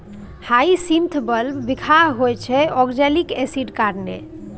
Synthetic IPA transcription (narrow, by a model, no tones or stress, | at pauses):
haisimt̪ʰbəlbbikʰaɦojt͡ʃʰɛɔɡd͡ʒɛlikesiɖkaɾnḛ